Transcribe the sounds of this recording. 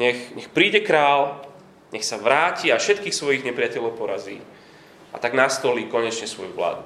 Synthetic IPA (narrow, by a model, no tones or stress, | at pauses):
ɲɛxɲɛxpɾiːɟɛkɾaːl | ɲɛxsaʋɾaːciafʃɛt̪kiːxsʋɔjiɣɲɛpɾɪacɛʎɔʊpɔɾazḭː | a̰t̪aɡnast̪ɔliːkɔɲɛt͡ʃɲɛsʋɔjuʋla̰ːd̪u